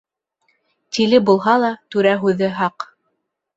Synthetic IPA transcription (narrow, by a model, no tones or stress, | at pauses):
t̪ilɘbulˠɦɑlˠɑt̪ʉɾæɦʉðɘɦɑq